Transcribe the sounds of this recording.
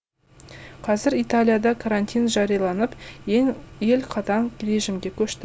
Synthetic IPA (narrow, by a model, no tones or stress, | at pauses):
qʰɑzɪɾijt̪alʲijad̪ɑkʰaɾant̪ijnʒɑɾijɑlˠɑnəp | je̞lqʰɑt̪ɑɴre̞ʒimɡʲe̞kʲʰɵʃt̪ɪ